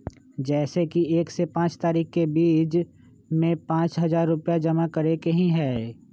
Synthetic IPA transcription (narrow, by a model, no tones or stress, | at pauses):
d͡ʒɛːsekieːksepãːt͡ʃt̪aːɾiːkkebiːt͡ʃ | mẽpãːt͡ʃɦɐzaːɾːʊpjad͡ʒɐmakɐɾekeɦĩɦɛː